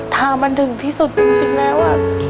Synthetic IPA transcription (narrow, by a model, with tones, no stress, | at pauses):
t̪ʰaː˧˩ma˧nt̪ʰɯ˨˩˦ŋt̪ʰiː˥˩su˨˩t̪̚t͡ɕi˧ŋt͡ɕi˧ŋlɛː˦˥wʔa˧˩